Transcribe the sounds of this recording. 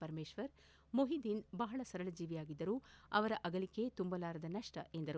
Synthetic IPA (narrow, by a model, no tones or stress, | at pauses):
pɐɾmeːʃʋɐɾ | moɦid̪inbɐɦɐɭɐsɐɾɐɭɐd͡ʒiːʋijaːɡid̪ːɐɾuːɐʋɐɾɐʔɐɡɐliket̪umbɐlaːɾɐd̪ɐnɐʂʈɐend̪ɐɾu